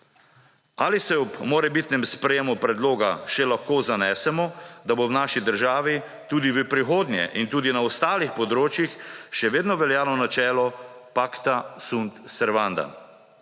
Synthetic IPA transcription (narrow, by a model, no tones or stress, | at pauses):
aːlisɛɔbmoːɾɛbit̪nɛmspɾɛjemupɾɛd̪loːɡaʃɛlaxkoːzanɛːsɛmɔd̪abownaːʃid̪əɾʒaːʋi | t̪uːd̪iʋəpɾixoːd̪nʲjɛ̰ʔint̪uːd̪inaɔst̪aːlixpɔd̪ɾoːt͡ʃjixʃɛʋeːd̪nɔʋɛljaːlɔnat͡ʃɛːlɔpaːkt̪asunt̪sɛɾʋand̪a̰